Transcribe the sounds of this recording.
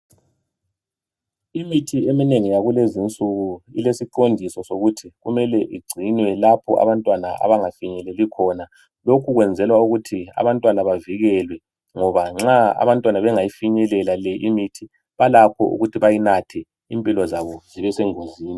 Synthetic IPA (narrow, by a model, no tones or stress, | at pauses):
imitʰiemineŋijaɣulezint͡sʼuɣuilesiǃondʱisɔsoɣutʰiɣumɛlɛʔiɡ͡ǀʱinwɛlapʰɔʔa̰βantʼwanaa̰βaŋafiɲɛlɛlikʰɔna | lokʰuɣwɛnd͡zʱɛlwauɣutʰia̰βantʼwanaβaviɣɛlwɛ | ŋɔβaŋ͡ǁaa̰βantʼwanaβɛŋajifiɲɛlɛlalɛʔimitʰi | βalakʰɔ̰ʔṵɣutʰiβajinatʰɛ | impʼilɔzaβɔziβɛsɛŋoziːni